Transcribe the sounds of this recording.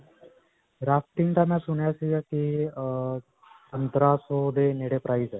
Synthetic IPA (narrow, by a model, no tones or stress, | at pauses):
ɾafʈ̪iŋt̪amasuɳjasiaki | tənt̪ɾasod̪eneɽepɾaid͡za